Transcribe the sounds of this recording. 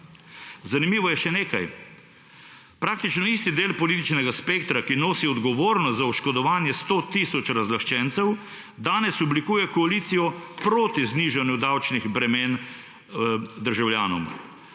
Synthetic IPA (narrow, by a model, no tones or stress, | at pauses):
zanimiːʋɔjɛʃɛneːkaj | pɾaːk̚t̪it͡ʃnɔist̪id̪eːlpɔlit̪it͡ʃnɛɡaspeːk̚t̪ɾakinoːsiɔd̪ɡɔʋoːɾnɔzaɔʃkɔd̪ɔʋaːnjɛst̪ot̪iːsɔt͡ʃɾazlaʃt͡ʃɛnt̪sɛw | d̪aːnɛsɔblikuːjɛkɔaliːt̪sijɔpɾoːt̪izniːʒanjud̪awt͡ʃniɣbɾɛmeːn | d̪əɾʒawljaːnɔ̰m̰